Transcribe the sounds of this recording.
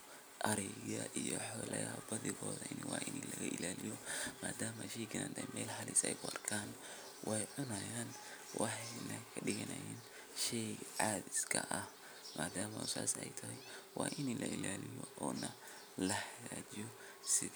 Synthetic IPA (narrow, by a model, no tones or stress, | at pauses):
ʔɐɾɛɣɐʔijɔħɔːlɛjɐbɐðɪɣɔːðɐʔɪniwɑːʔɪnilɐɣɐʔɪlaːlɪjɔmaːd̪aːmɐʃɛjɡɪnaːnd̪ʰɐmɛːlhɐlɪsɛjɡʊɐrkʰaːn | wʔɑjʕʊnɐjaːn | wɑħɑjnɐkʰɐɖɪɣɐnɐjin | ʃɛjʕaːd̪ɪskʰɐʔɐ | mʔaːd̪aːmɐʊsaːsɛjt̪ʰɐɦɛjwɑːʔɪnilʔɐʔɪlaːlɪjɔʔɔːnɐ | lɐhɐɣaːt͡ʃɪjɔ | sɪ